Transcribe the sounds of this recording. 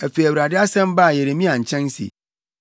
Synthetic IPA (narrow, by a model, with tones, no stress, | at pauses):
æ˨fe˨jæ˨wɾa˨dɪ˦a˦sɛ̃˦m˦ba˦˨je˨ɾe˨mĩ˦ã˨ɲ̩˨t͡ɕʰɛ̃˦n˦sḭ˨